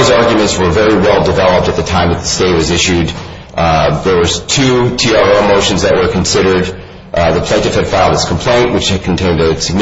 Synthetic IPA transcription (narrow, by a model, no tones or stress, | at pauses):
ʊzɑɹɡjmɨ̃ntswə˞vɛɹiwɛlˠdɨvɛlˠəp̚tɨt̪̚ðɨtʰãɪ̃mðɨt̪̚ðəsteɪt̚wʌzɪʃʉd̪̚ | ðə˞wə̥˞tʰʉtʰiɑɹoʊmoʊʃɨ̃n̩zðɨʔ̚wə˞kʰn̩sɪɾə˞d̪̚ | ðəpʰl̥ẽtɨfɨd̥faɪlˠdɨtskʰm̩pʰl̥ẽɪ̃nʔwət͡ʃɨd̚kʰn̩tʰẽɪ̃ndɨsɨɡ̚n